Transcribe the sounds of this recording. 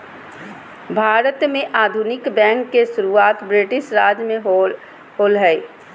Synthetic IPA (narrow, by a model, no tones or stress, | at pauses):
bʱaːɾət̪mẽʔaːd̪ʱunɪkbɛ̃ːŋkːesʊɾuaːt̪bɾɪʈɪʃɾaːd͡ʒmẽ | ɦoːlɦɛi